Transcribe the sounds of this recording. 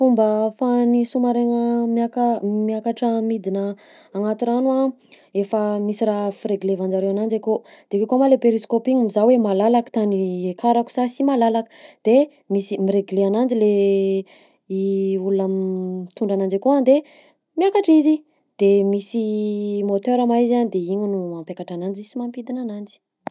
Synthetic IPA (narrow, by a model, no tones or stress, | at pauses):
fumbəfanisumaɾeŋəmakəmiakaʈ͡ʂəmid̪inəː | ŋat̪iɾanua | efəmisiraɦfiɾeɡlevand͡ʒaɾewanand͡ʒeko | d̪̥ekekamalepeɾiskopiŋimizawemalalakə̥t̪aniekʰaɾaku̥sasimalalakə̥d̪̥e | misimiɾeɡleanand͡ʒile | iulunamt̪uɳɖ͡ʐanand͡ʒakoand̪e | miakaʈ͡ʂizi | d̪̥emisimot̪øɾamaizand̪eiɲunuampjakaʈ͡ʂanand͡ʒizsimampid̪inanand͡zi̥